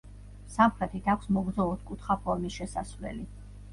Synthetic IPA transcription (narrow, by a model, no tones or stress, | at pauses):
samχɾɛt̪ʰit̪ʰakʷʰsmɔɡɾzɔɔt̪kʼut̪ʰχapʰɔɾmisʃɛsasvlɛ̰li